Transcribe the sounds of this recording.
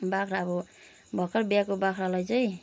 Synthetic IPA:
bakʰɾabɔ | bʱʌkʌɾbjakobakʰɾalʌjt͡sʌj

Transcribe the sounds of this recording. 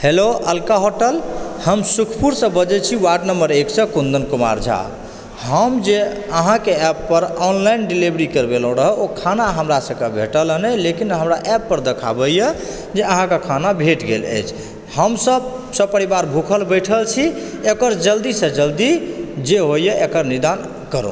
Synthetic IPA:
heloəlkaɦoʈəlhəmsukʰpuɾsə̃bəd͡ʒɛt͡ʃʰiwaɖnəmbəɾeksə̃kund̪ənkuma̰ɾd͡ʒʱa̰ | ɦəmd͡ʒe | əɦãkeɛpːəɾɔnlainɖilibɾikəɾbelə̃ɾəɦəokʰanaɦəmɾasə̃kebʱeʈələnɛlekinɦəmɾaʔɛpːəɾd̪ekʰa̰bəje | d͡ʒeəɦãkekʰanabʱeʈɡḛlə̰jt͡ʃʰ | həmsəbsə̃pəɾibaɾbʱukʰəlbəjʈʰəlt͡ʃʰi | ekəɾd͡ʒəld̪isə̃d͡ʒəld̪id͡ʒeɦojeʔekəɾnid̪an | kəɾṵ̃

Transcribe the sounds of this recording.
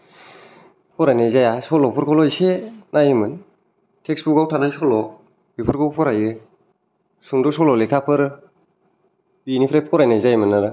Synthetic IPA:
pʰkɔɾajnazajasɔlɔpʰɯɾkʰɔlɔisenajimɯn | tʰeksbukawtʰadajsɔlɔ | bipʰɯɾkɔwpʰɔɾajɯ | suŋdɔsɔlɔlekʰapʰɯɾɯ | binipʰɾajp̚ʰkɔɾajnajzajmɯnaɾɯ

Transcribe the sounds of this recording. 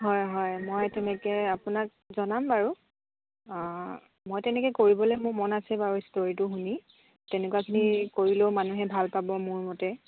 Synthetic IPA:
ɦɔjɦɔjmojtɛnɛkɛapunak̚ | zɔnambaɹu | mojtɛnɛkɛkoɹibɔlojmʊɹmɔnasɛbaɹustoɹitʊxuni | tɛnɛkuwakʰinikoɹilomanuɦɛbʱalpabɔmʊɹmɔtɛ

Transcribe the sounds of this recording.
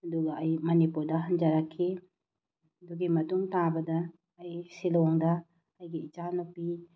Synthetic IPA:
duɡaʔːjmɐnipudɐɦɐɲd͡ʒaɾakʰːe | duɡemɐtumtãbɐdɐː | jsilɔŋdɐː | jɡeit͡ʃanupi

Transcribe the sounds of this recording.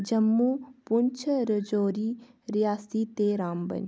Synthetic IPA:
d͡ʒəmːuːpʊnt͡ʃʰɾəd͡ʒoːɾiː | ɾijaːsiːt̪eːɾaːmbə̰n

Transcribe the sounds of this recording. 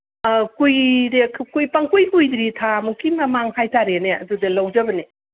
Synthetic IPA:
kujɾekʰkujpaŋkujkujd̪ɾitʰamukimɐmaŋhajtaɾeneɐ̰dudɐlɐwd͡ʒɐbɐne

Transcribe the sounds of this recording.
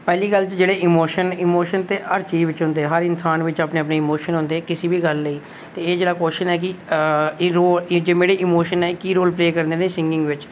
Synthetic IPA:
pɛːliːɡəlt͡ʃd͡ʒeːɽeːʔɪmoːʃənɪmoːʃənt̪eːʔəɾt͡ʃiːʋɪt͡ʃɦʊ̃nd̪eːɦəɾɪnsaːnʋɪt͡ʃaːpneːəpneːɪmoːʃənɦʊ̃nd̪eːkɪsiːbiːɡəlːeiː | t̪eːeːd͡ʒeːɽaːkoːʃənɛːk̬ɪ | ɾoːld͡ʒeːmeːɽeːʔɪmoːʃənɛːkiːɾoːlpleːkəɾnd̪eːneːsɪŋɡɪ̃ŋɡʋɪt͡ʃ

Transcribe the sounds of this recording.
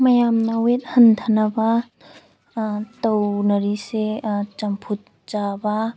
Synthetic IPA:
mɐjamnɐwet̚hɐntʰanɐba | tɐwnɐɾiset͡ʃɐmpʰut̚ | t͡ʃaba

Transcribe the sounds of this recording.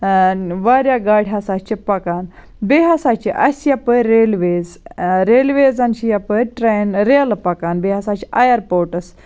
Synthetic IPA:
ʋaɾjaɡaɽʱʲɦasat͡ɕipakan | beɦasat͡ɕiʔɐsjapəjɾelʋezɾelʋed͡zanɕijapəjʈɾenɾelpakanbeɦasat͡ɕiʔajəɾpoɾʈəs

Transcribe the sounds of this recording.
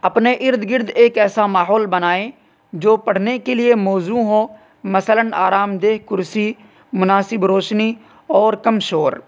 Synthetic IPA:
əpneːʔɪɾd̪ɡɪɾd̪eːkɛːsaːmaːɦɔːlbənaːẽː | d͡ʒoːpəɽ̤neːkelɪemɔːzũːɦoː | məsələna̰ːɾaːmd̪eːɦkʊɾsiː | mʊnaːsɪbɾoːʃniː | ɔːɾkəmʃoːɾ

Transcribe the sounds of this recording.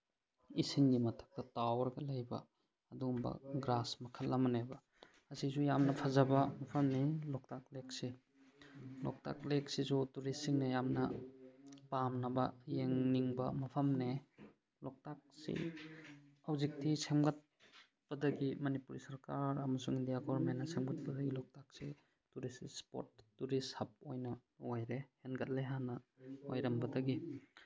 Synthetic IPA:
isiŋɡimɐtʰɐ̥k̚tɐtawɐɾɡɐlajbɐ̰ː | dumbɐ̰ɡɾasmɐkʰɐlːɐmɐnebɐ | ɐsisujamnɐpʰazɐbɐmɐpʰɐmnelɔk̚tak̚lek̚se | lɔ̰k̚ta̰k̚lek̚sizutuɾesiŋnɐjamnɐ | pamnɐbɐ̰jeŋniŋbɐmɐpʰɐmne | lɔk̚tak̚sḭ | awzik̚tʰisemɡat̚ | bɐdɐɡimɐnipuɾisɐɾkaɾɐmɐsuŋindijaɡɔɾmenːɐsemɡat̚pɐdɐɡilɔk̚tak̚se | tuɾisspo̰t̚ːuɾishɐp̚ojnɐojɾehenɡɐt̚leɦanɐo̰jɾɐmbɐdɐɡi

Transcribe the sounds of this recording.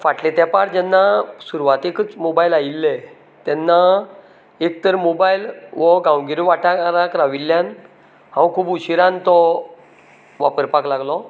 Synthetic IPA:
faʈlet̪apaɽd͡ʑɛnːasuɾʋat̪ekət͡smobailailːe | t̪ɛnːa | ek̚t̪əɾmobailʋɔɡãwɡiɾiʋaʈaɾakɾaʋilːjan | hãwkʰuːbuɕiɾãnt̪ɔ | ʋapəɾpaklaɡlɔ

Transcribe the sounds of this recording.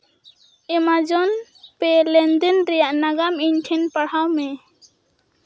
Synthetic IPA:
ɛmad͡ʒɔn | pɛlɛnd̪ɛnɾɛjaʔnaɡamiɲʈʰɛnpaɽ̤awmɛ

